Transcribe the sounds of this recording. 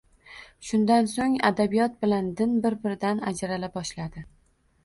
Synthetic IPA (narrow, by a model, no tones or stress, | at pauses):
ʃʊnd̪ansoŋa̰d̪abijɒt̪̚bɪland̪ɪnbɪɾbɪɾɪd̪anad͡ʒɾalabɒʃlad̪ɪ